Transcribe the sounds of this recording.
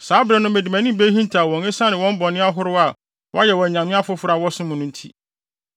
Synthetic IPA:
saː˨˦bɾɛ˨nʊ̃˦mæ˨di˨mæ̃˨nɪ̃˦be˦ɦĩ˦n˦tʰa˨wɔ̃˨ŋɪ˦sã˦nɪ̃˨wɔ̃˦m˦bɔ˨nɪ̃˦a˦ɦʊ˦ɾʊ˦a˨ | wʔɔ˦jɛ˨wɔ̃˨ɲã˨mɪ̃˦a˦fʊ˦fʊ˦ɾa˨wɔ˦sʊ̃˦mʊ̃˨nʊ̃˦n̩˦tʰḭ˦

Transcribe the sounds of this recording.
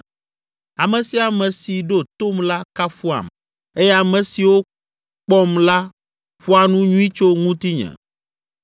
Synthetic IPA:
a˨mɛ̃˨si˨˦a˨mɛ̃˨si˨ɖo˦˨t̪o˦mla˦ka˦fu˦a̰˨m | e˦je˦a˨mɛ̃˨si˨wo˦ | k͡pɔ˦mla˦ | ɸu˦a˨nũ˦ɲũ˦i˦t͡ʃo˦ŋũ˦t̪i˦ɲɛ̰̃˨

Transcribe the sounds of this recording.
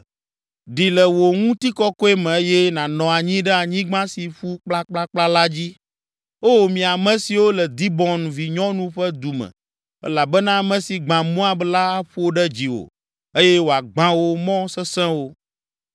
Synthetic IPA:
ɖi˨lɛ˨wo˨ŋũ˦t̪i˦kɔ˦kɔ˦e˦mɛ̃˨˦jɛ˦nã˨nɔ̃˨a˨ɲĩ˦ɖɛ˦a˨ɲĩ˦ɡ͡bã˦si˨ɸu˦k͡pla˦k͡pla˦k͡pla˦la˦d͡ʑi˦ | o˦˨mĩ˨a˨mɛ̃˨si˨wo˦lɛ˨d̪i˦bɔ̃˦nvi˨ɲɔ̃˦nũ˦ɸɛ˦d̪u˨mɛ̰̃˨ | ɛ̰˦la˨bɛ˦nã˦mɛ̃˨si˨ɡ͡bã˨mɔ̃˦a˨bla˦a˦ɸu˦o˦ɖɛ˦d͡ʑi˨wo̰˨ | e˦jɛ˦wo˨a˨ɡ͡bã˦wo˦mɔ̃˦sɛ˦sɛ̃˦wo˦

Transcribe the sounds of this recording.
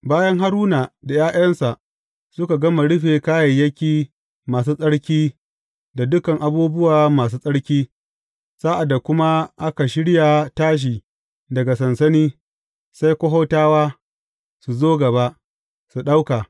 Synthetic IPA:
baː˦jɐ˦ŋɦa˦ɾuː˦naː˨da˨jaː˦jɐ˦nsa˨ʔ | sʊ˦ka˨ɡɐ˦ma˨ɽʊ˦ɸeː˨kaː˦jɐ˨jːɐ˦kʲiː˦ | maː˨s̬uː˦sʼɐ˦ɽkʲiː˦ | da˨dʊ˦kɐ˨ŋʔa˨buː˦bʊ˦waː˨maː˨s̬uː˦sʼɐ˦ɽkʲiː˦ | saː˦ʔa˨dːa˨kʷʊ˦ma˦ʔa˦ka˨ʃɪ˦ɽja˨taː˦ʃ̬iː˨ | dɐ˨ɡa˨sɐ˨nsɐ˦niː˦ | sa˦jkʷɔ˦ɦoː˦taː˦waː˦ | su˨zoː˦ɡɐ˨ba˦ʔ | su˨ɗa˦wka˨

